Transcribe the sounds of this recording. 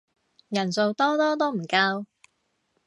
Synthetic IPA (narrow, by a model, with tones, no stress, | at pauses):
jɐ˨˩nso˨wt̪ɔː˥t̪ɔː˥t̪ɔː˥m̩˨˩kaː˧w